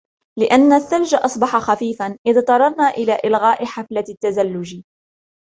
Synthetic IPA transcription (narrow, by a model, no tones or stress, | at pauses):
lɪʔanːaθːald͡ʒaʔɑsˤbɑħɑxafiːfanʔɪðt̪ˤɑɾˤɑɾˤnaːʔɪlaːʔɪlɣaːʔɪħaflat̪ːazalːʊd͡ʒ